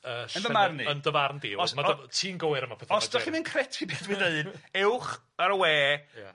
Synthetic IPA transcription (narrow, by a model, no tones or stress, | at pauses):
əːʃənəvarniəndəvarndɪwɔsmaɔtʰiːnɡowɪɾəmapʰɛθɔsd̥ɔχimɨnkʰrɛtʰibeːdwideðnɛwχ | aɾəwɛːj̰